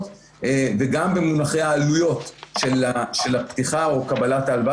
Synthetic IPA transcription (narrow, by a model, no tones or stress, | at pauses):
t | veɡambemunaχe̞jaːlujo̞tʃelʃelapt̪iχao̞kabalat̪alva